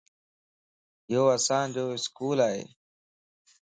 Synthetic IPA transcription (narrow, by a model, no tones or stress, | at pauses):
joːasãːnd͡ʑoːɪskuːlaːɦḛː